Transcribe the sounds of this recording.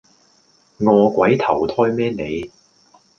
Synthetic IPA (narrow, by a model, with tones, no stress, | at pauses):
ŋɔː˨˧kwɐ˨˥jt̪ʰɐ˨˩wt̪ʰɔː˥jmɛː˥ne˨˧j